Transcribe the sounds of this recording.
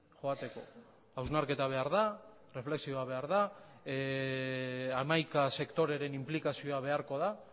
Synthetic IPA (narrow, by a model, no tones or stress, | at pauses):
ʝoat̪e̞ko̞̰ | awznaɾke̞t̪aβ̞e̞aɾða | re̞fle̞ksio̞aβ̞e̞aɾða | amajkase̞kt̪o̞ɾe̞ɾe̞nimplikasio̞aβe̞aɾko̞ða